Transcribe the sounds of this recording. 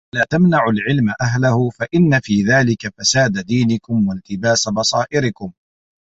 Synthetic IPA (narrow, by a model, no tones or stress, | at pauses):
laːt̪amnaʕʊlʕɪlmaʔaɦlahʊfaʔɪnːafiːðaːlɪkafasaːd̪ad̪iːnɪkʊmwalt̪ɪbaːsabɑsˤɑːʔɪɾɪkʊm